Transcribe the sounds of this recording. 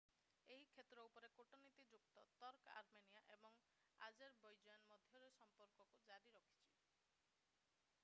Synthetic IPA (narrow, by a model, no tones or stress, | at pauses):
eɦikʰet̪ɾɔupɔɾekoʈonit̪id͡ʒukt̪ɔt̪ɔɾka̰ɾmenijaʔebɔŋ | a̰d͡ʒeɾbɔjd͡ʒɔjanmɔd̪ʱjɔɾesɔmpɔɾkɔkud͡ʒaɾiɾɔkʰi̥t͡ʃʰi̥